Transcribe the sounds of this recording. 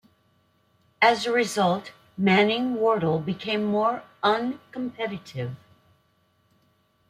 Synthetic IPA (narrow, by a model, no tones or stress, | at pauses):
ɨzəɹɪzʌlˠt | mænɪ̃ŋwɔɹɾl̩ˠbɨkʰẽɪ̃mːɔɹʌ̃nkə̃m̩pʰɛɾɨɾɪv̥